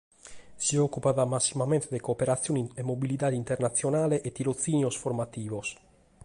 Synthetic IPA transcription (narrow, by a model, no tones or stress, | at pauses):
siokːupaðamasːimament̪d̪ekopeɾat̪sjuniemobilit̪aːd̪int̪eɾnat̪sjonaːleʔet̪iɾot̪siːnjosfoɾmat̪iːvos